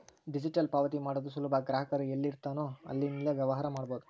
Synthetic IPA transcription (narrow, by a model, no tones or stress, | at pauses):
ɖid͡ʒiʈɐlpaːʋɐt̪imaːɽoːd̪usulubʱɐɡɾaːɦɐkɐɾuelːiɾt̪aːnoːɐ̰lːinilːɐʋjɐʋɐɦaːɾɐmaːɖboːd̪u